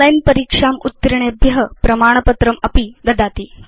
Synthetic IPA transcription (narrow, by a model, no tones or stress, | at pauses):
lajnpəɾikʂamut̪ːɾiɳ̃ebʱjɐɦəpɾɐmaːɳ̃əpət̪ɾəmɐpiɡɐd̪aːt̪iː